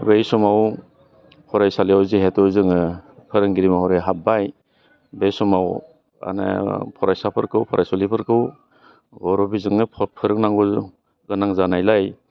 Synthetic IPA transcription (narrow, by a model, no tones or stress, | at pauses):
bejsɔmaw | pʰɔɾajsalijawziɦetɔzɯŋɯkʰɯɾɯŋɡiɾimahɔɾajɦabaj | bejsɔmaw | a̰na̰pʰɔɾajsapʰɯɾkɯwpʰɔɾʔajsɔlipʰɯɾkɯw | ɡɔɾɔbizɯŋnɯpʰɯɾɯk̚naŋɡɔ | ɡɯnaŋzanajlaj